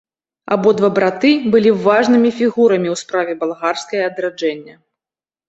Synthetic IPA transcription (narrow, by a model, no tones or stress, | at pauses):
a̰bɔd̪vabɾat̪ɨbɨlʲivaʐnɨmʲifʲiɣuɾɐmʲiwspɾavʲɛbalˠɣarskɐjɐɐd̪ɾad͡ʐɛnʲːɐ